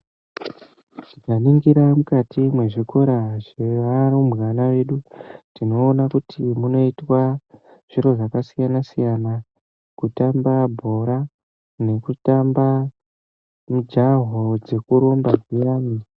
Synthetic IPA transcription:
tikaniŋɡiɾamukatʰimwe̞ʐiko̞ɾaʐeʋaɾomɣanawe̞ɗunino̞ːnakutʰimuno̞itwa | ʐ̥iɾo̞ʐakasijanasijana | kutambabʱo̞ɾa | ne̞kutamba | mud͡ʒaɦod͡ze̞kuɾo̞mbaɡijaːmi

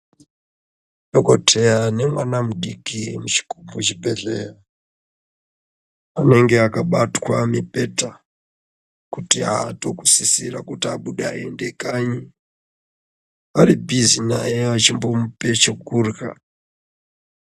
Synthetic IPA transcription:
joko̞tʰejane̞mwanamuɗikimut͡ʃi̥kumut͡ʃibʱe̞ɮera | ane̞ŋɡe̞akaɓatwamipe̞ta | kutiaːto̞kusisirakutiaɓuɗeaende̞kaɲi | aɾibʱizinajeʋat͡ʃimbo̞mupe̞t͡ʃekurka̰

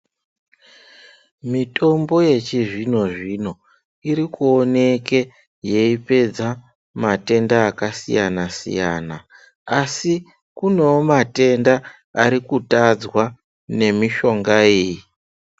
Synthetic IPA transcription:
mito̞mbo̞je̞t͡ʃiʐino̞ʐino̞ | iɾikuo̞ne̞ke̞ | je̞ipe̞d͡za | mate̞ndaːkasḭjanasḭja̰na | asi | kune̞omate̞nda | aɾikutad͡zwa | ne̞miʃo̞ŋɡaeji

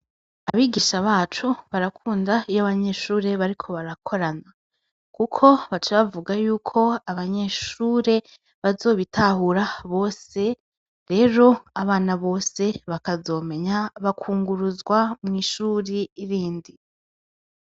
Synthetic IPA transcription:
aβiːɡiːʃaβaːt͡ʃuβaɾakʰuːndajaβaɲe̞ʃuːɾe̞βaɾikʰo̞βaɾakʰo̞ɾana | kukʰo̞βat͡ʃaβavuɡajuːkʰo̞aβaɲe̞ʃuːɾe̞ | βazo̞ːβitʰahuɾaβo̞ːse̞ | ɾe̞ɾo̞aβaːnaβo̞ːse̞βakazo̞ːme̞ɲaβakʰuːŋɡuɾuzɡwamŋiːʃuːɾiːɾiːndi

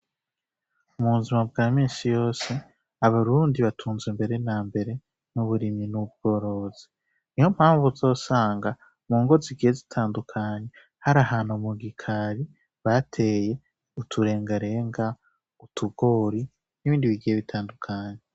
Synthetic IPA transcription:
umuβuzimabɡaːmiːnsijo̞ːse̞ | aβaɾuːndiβatʰuːnzwimbe̞ɾe̞naːmbe̞ɾe̞ | nuβuɾiminub̚ɡ̥o̞ːɾo̞zi | nihom̥haːɱvuzo̞ːsaːŋɡa | muːŋɡo̞ziɡije̞zitʰaːndukʰaːɲe̞ | haɾaɦaːnumuɡikʰaɾi | βatʰe̞ːje̞ | utʰuɾe̞ːŋɡaɾe̞ːŋɡa | utʰuɡo̞ːɾi | niβiːndiβiɡijeβitʰaːndukʰaːɲe

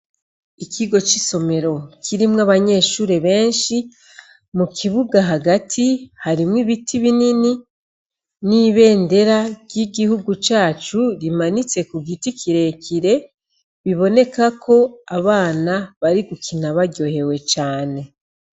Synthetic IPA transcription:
ikʰiɡo̞t͡ʃiso̞me̞ɾo̞kʰiɾimŋaβaɲe̞ːʃuːɾe̞βe̞ːnʃi | mukʰiβuɡaɦaɡatʰihaɾimŋiβitʰiβinini | niβe̞ːnde̞ɾaɾjiɡihuɡut͡ʃaːt͡ʃuɾimanit͡se̞kuɡitikiɾe̞kiɾe̞ | βiβo̞ne̞kakʰo̞aβaːnaβaɾiɡukinaβaɡo̞he̞we̞t͡ʃaːne̞

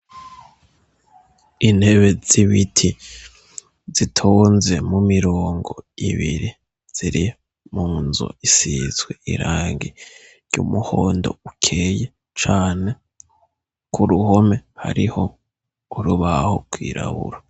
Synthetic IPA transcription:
inhe̞βe̞z̥iβitʰi | z̥itʰoːnze̞mumiɾoːŋɡo̞iβiɾi | z̥iɾi | muːnzo̰isiz̥ɡwe̞ḭɾaːŋɡi | ɾjumuhoːndo̞̰ukʰeje | t͡ʃaːne̞ | kuɾuɦome̞ha̰ɾiho̞ | uɾuβaho̞̰ɡ̥wiːɾʔa̰βṵɾa

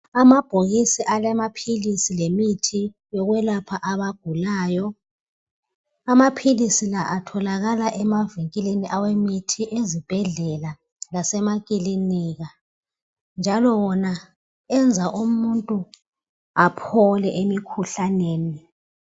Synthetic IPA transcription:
amab̥ʱoɣisiʔalɛmapʰilisilemitʰi | jɔɣwɛlapʰaʔaβaɡ̥ʱulaːjɔ | amapʰilisilaʔatʰɔlaɣalaʔɛmaviŋkʼileniʔawemitʰiʔezib̥ʱɛɮɛla | lasɛmakʼiliniɣa | nd͡ʒʱalɔwɔna | ɛnd͡zʱaʔumuntʼu | apʰɔlɛʔemikʰuɬaneːni

